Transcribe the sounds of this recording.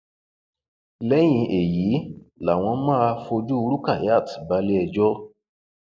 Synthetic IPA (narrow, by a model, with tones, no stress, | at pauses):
lɛ˦j̃ĩ˧ʔe˨ji˨˦ | la˨w̃ɔ̃˧mãː˦˧fo˧d͡ʒu˦˧ɾu˦ka˦˨ja˦˨tba˧˦le˦ɛ˧d͡ʒɔ˦